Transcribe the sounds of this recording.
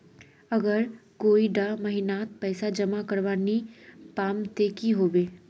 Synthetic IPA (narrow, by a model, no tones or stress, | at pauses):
əɡəɾkoːiɖamɐɦɪnaːt̪̚pɛːsad͡ʒəmakəɾʋaːnipaːmt̪eːkiɦoːʋeː